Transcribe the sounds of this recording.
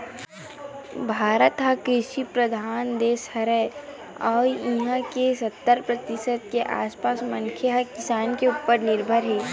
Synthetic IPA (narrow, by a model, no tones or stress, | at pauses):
bʱaːɾət̪ɦakɾɪʃipɾɐd̪ʱaːnd̪eːshɐɾɛ | ɔːɾĩɦãkesɐt̪ːəɾpɾɐt̪ɪsəd̪̚keʔa̰ːspaːsmɐ̃nkʰeɦɐkɪsaːnkeuːpəɾnɪɾbʱəɾɦɛː